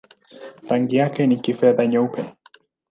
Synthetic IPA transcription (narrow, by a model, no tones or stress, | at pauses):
taŋɡijakɛnikifɛðaɲaupʰɛ